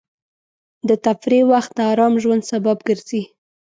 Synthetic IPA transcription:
d̪ət̪afɾewaxt̪̚d̪əaɾɑmʒwand̪sababɡəɾz̥i

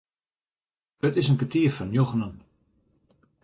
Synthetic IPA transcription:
ətɪsənkətiəfɔnjoɣənən

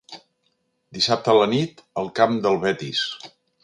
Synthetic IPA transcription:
d̪isap̚t̪ələnit̪əlˠkamd̪əlˠβɛt̪ḭs

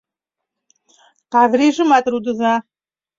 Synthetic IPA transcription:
qavriːʐɨmat̪ʼɾud̪ɨza

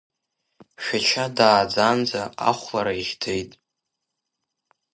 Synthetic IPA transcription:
ʃᶣat͡ʃʰadaːd͡zand͡zaa̰χʷlaɾaiʁʲdʰe̞jtʼ

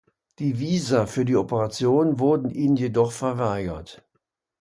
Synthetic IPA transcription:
d̥iːviːzafyːɐdiːopəʁat͡sjoːnənvʊɐdn̩ʔiːnənjedɔχfɛɐvaɪɡɐt

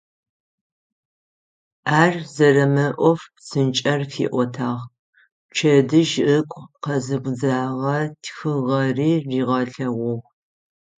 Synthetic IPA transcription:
aːrzɐrɐmɐʔʷɔfsɨnt͡ʃʼɐrfḭːʔʷɔtʰaːʁ | t͡ʃʰɐdɨʒʔɨkʷʼqɐzɨɡʷzaːʁɐtʰxɨʁɐriːriːʁɐɬɐʁʷʊʁ

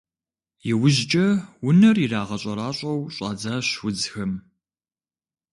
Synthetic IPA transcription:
jɛwʊʑt͡ʃʼɐwʊnɐriraːʁɐɕʼɐɾaːɕʼɐwɕʼa̰ːd͡zaːɕwʊd͡zxɐm

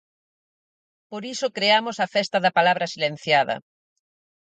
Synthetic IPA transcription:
poɾisokɾeamʊsɐfɛst̪ɐðɐpalaβɾɐsilen̟θjaðɐ̰

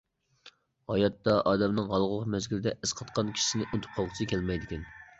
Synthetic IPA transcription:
hɑjɑt̪ːɑʔɑːd̪ɛmnɨŋɦɑlˠʁʊlˠqmɛzɡʲilɪd̪ɛʔɪsqʰɑt̪qʰɑnkʲʰi̥ʃsɪnɪʔot̪ʰu̥p̚qʰɑlˠʁʰʊt͡ʃʰɪkʲʰɛlmɛjd̪ɪkʲɛn

